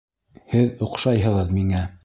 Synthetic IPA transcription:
hɘðŏqʃɑjɦɤ̆ʁɤðmiŋæ

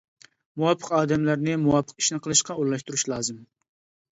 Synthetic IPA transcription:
muwɑpʰːəqɑːd̪ɛmlæɾnɪmuwɑpʰːəqi̥ʃnɨqʰəlˠɨʃqɑolːˠɑʃt̪uɾuʃlˠɑːzɨm

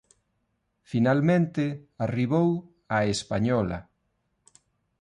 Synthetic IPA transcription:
finalmẽnt̪ɪariβow | aespaɲɔlɐ̰

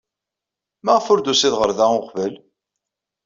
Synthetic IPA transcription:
mæʁfʊɾd̪usiðʁəɾðæʊqvəl

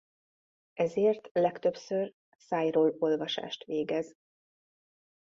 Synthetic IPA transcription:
ʔɛzeːrt̪lɛkt̪øpsør | saːjroːlo̞lvɒʃa̰ːʃt̪ʋeːɡɛz

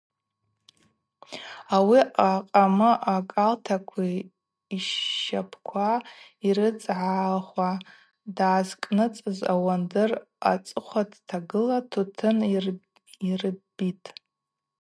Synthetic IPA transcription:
awiaqʼamɨʔakʼaltʰakʷʰiː | ʃapʰkʷʰaiɾɨt͡sʼʕaχʷa | daːzkʼnɨt͡sʼɨza̰wandɨr | a̰t͡sʼɨχʷatʰtʰaɡɨlatʰutʰɨnr | irbitʼ

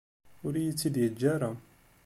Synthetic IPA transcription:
ʊɾijət͡sːid̪jəd͡ʒːaɾˤa

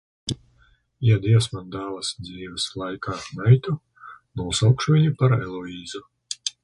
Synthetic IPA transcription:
jad̪iɛsmand̪aːlˠasd̪ziːvɛslˠajkʰaːnɛjt̪u | nuɔsawkʃuvʲiɲupaɾɛlˠɔiːzu

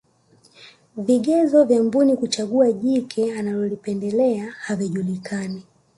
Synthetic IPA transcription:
viɠɛzɔvjambunikut͡ʃaɠuaʄikʰɛanalɔlipɛndɛlɛahaviʄulikʰani

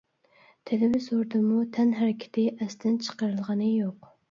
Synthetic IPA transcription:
t̪ʰelɪvɪzoɾd̪ɨmut̪ʰɛnɦæɾɪkʲʰɪ̥t̪ʰɪʔɛst̪ʰɪnt͡ʃʰə̥qəɾɨlˠʁɑnɨjoq

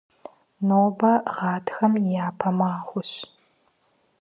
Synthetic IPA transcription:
noːbɐʁɑːtʰxɐmjaːpʰɐmaːχʷʊɕ

